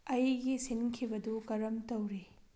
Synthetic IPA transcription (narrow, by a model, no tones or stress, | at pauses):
ɐjɡisinkʰibɐdukɐɾɐmtɐwɾi